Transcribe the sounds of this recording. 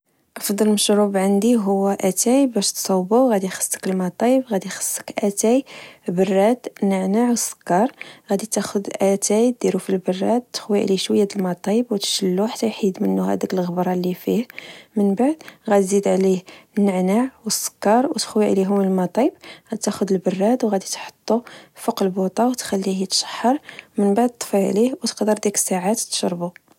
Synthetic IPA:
ʔɑfd̪ˤɑlməʃɾubʕand̪iɦʊwːæʔæt̪æjbæʃt̪sˤɑwbuwɣæd̪ixə̥sˤːə̥kəlmɑt̪ˤibɣæd̪ixə̥sˤːə̥kʔæt̪æjbərˤːæt̪nːəʕnaʕwəsːə̥kːɑɾˤɣæd̪it̪æxʊd̪ʔæt̪æjd̪̥iɾufilbərˤːɑt̪t̪ːə̥xwiʕliʃwəjːæd̪əlmɑt̪ˤibwt̪ə̥ʃəlːuħḁt̪ːæjħid̪mənːuhæ̰d̪əkəlɣəbɾˤɑlifihmənbaʕd̪ɣæt̪zid̪ʕlihnːəʕnaʕwəsːə̥kːɑɾˤwt̪ə̥xwiʕliɦʊmːəlmɑt̪ˤibɣæt̪æxʊd̪əlbərːɑd̪wɣæd̪it̪ħo̥t̪ˤːufəqəlbut̪ˤɑwt̪xælːihit̪ʃə̥ħːɑɾˤmənbaʕd̪̚t̪ˤːfiʕlihwt̪ə̥qd̪əɾd̪iksaʕat̪t̪ːʃɑɾˤbu

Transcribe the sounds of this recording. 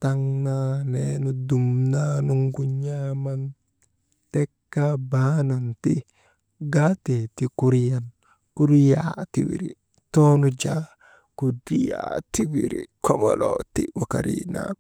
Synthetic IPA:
taŋnanɛnudumnanuŋɡuɲaman | tɛkːabananti | ɡatetikuɾjan | kuɾja̰tḭwḭɾḭ | tɔnud͡ʒa | kudija̰tiwiɾḭkʰɔmɔ̰lɔ̰tiwaka̰ɾḭna̰

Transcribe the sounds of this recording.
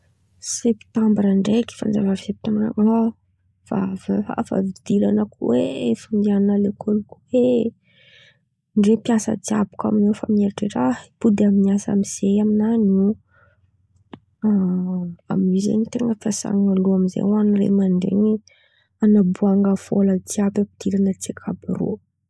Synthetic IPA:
sept̪ambɾaɳɖ͡ʐeki̥fa̰nza̰vav̥sep̚t̪ambɾa̰ŋa | fa̰vaa̰fa̰vid̪ilanəkuweefund̪iananalekʰolukuwe | ɳɖ͡ʐepiasə̰d͡ʒia̰bu̥ka̰minefamineɾʈ͡ʂeʈ͡ʂaib̥ud̪iaminiasa̰miz̥ejaminane | a | a̰minizḛnit̪eŋɡəfiasa̰ŋaluamizḛwanirḛmaɳɖ͡ʐḛni | anabuaŋɡəfoləd͡ʒiabapid̪̥ilanət͡sekʰabiɾo̰

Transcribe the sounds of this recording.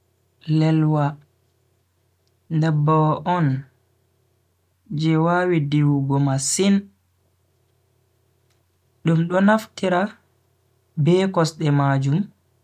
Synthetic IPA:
lɛlwa | ndɛbɔɔn | d͡ʒɛwaːwidiwuɡɔmasin | ɗumɗɔnaftiɾa | bɛkɔsɗɛmad͡ʒum

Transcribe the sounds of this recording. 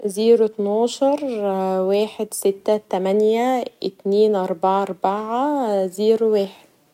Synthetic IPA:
ziːɾɪt̪nɑːʃɑɾˤweːħed̪sɪt̪ːæt̪æmænjæʔɪt̪niːnʔɑɾˤbaʕʔɑɾˤbaʕaziːɾweːħed̪̥̚

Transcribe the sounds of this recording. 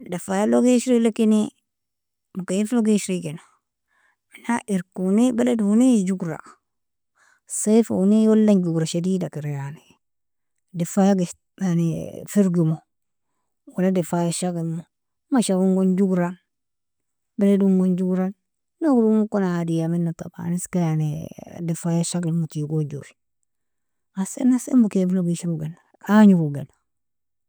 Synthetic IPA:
dafajaloɡeʃɾilekini | mukajifloɡeʃɾikino | inaʔiɾkunibeleduunid͡ʒuɡɾa̰ | safo̰unijolːand͡ʒuɡɾaʃadiːdakiɾejani | defajaɡe | anifiɾɡimo | waladefajaʃaɡilmo | maʃakuŋɡond͡ʒuɡɾan | bɛɾeduŋɡond͡ʒuɡɾan | nokdumukonaadijaminːota̰ba̰niskajanidefajaʃaɡilmokiɡod͡ʒuɾi | asḛnːasḛmbukebiloɡiʃiɾuɡena | kaɲuɡuɡena

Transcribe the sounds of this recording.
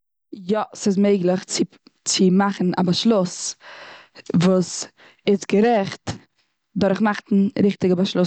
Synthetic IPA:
jɔsɪs̬meɪɡlˠəχt͡sɪ | t͡sɪmaχn̩a̰baʃlˠʊs | vuːs | ɪsɡəɾɛχt | dʊɾχmaχtn̩ɾɪχtɪɡəbaʃlˠʊs

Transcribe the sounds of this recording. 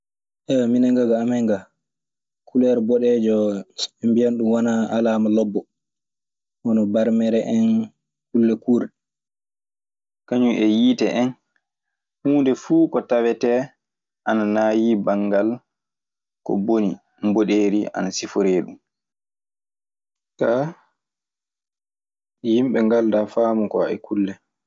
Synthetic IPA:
ʔɛminaŋɡaɡaːmɛŋɡa | kʰulɛɾbɔɗɛd͡ʒɔɛmbijanɗumwanaalaːmalɔbːɔ | ɔnɔbaɾmɛɾɛʔɛn | kulːɛkuːɾɗɛ | kaɲuʔɛjiːtɛʔɛn | huːndɛfuːkɔtawɛtɛ | ʔananaːjibaŋɡal | kɔ̰boni | mboɗeːɾiʔa̰nasifɔɾeːɗum | ka | jimɓɛŋɡaldafaːmukɔɛ̰kʰulːɛ

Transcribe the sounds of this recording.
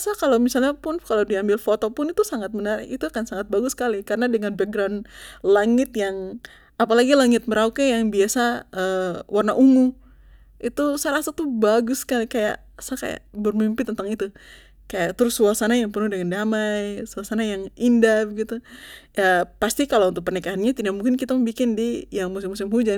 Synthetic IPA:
asakalowmisalɲapʊnkalodiambɪlfot̪opʊnit̪usaŋat̪̚bənarḭt̪uakansaŋat̪̚baɡʊsːkalikaɾənadəŋanbɛk̚ɡɾawnlaŋɪt̪jaŋ | apalaɡilaŋɪt̪̚məɾaukajaŋbiasaəwʔarnaʔuŋu | ʔit̪usaɾasat̪ubaɡʊskalikaja̰ʔ | saka̰ja̰ʔbərmimpɪt̪ənt̪aŋit̪u | kajaʔt̪əɾʊsuasanajaŋpərnʊhdəŋandamajsuasanajaŋindahbəɡit̪uapast̪ikalount̪ʊk̚pərnikaɦanɲat̪idaʔ̚muŋkɪnkit̪aŋbikɪndijaŋmus̬ɪmːusɪmɦud͡ʒan

